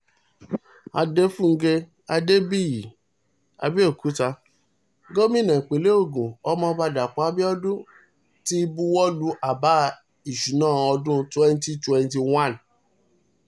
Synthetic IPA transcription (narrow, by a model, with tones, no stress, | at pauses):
a˧de˦fũ˦ŋ̩˦ɡe˧ | a˧de˦bi˦˨ji˨ | a̰˧bi˦o˦˨kʰu˨˦ta˧ | ɡo˦mĩ˦nã˨k͡pe˨le˦o˦˨ɡũ˨ɔ˦mɔ̃˧ba˧da˨k͡pa˨a˧˦bi˦ɔ˦dũ˦ | ti˦bu˦wɔ˦lu˦ʔa˨ba˨˦ | i˨ʃu˨˦nãː˦˨ɔ˧dũ˦twɛ̃˦n˦ti˦twɛ̃˧n˦ti˧wã˦˨n